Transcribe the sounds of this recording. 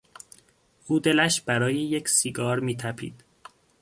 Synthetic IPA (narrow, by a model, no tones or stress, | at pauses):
ʔuːd̪e̞læʃb̥æɾɒːjejecʰsiɡɒːɾmiːt̪ʰæpʰḭːd̪̥